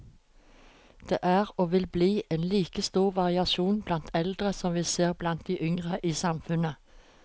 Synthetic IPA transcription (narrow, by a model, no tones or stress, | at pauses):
d̪̥ḛːʔæʁoːʋɪlbliːʔeːnliːkəst̪uːʁʋɑʁɪɑʃuːnblɑnt̪ʰɛld̪ʁəsɔmʋiːseːʁblɑnt̪̚d̪iʔʏŋʁəʔiːsɑmfʉnə